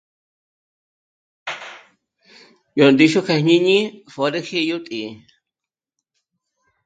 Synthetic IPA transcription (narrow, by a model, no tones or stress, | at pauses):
jond̪iʃokahɲiɲĩfoɾexejut̪ʼi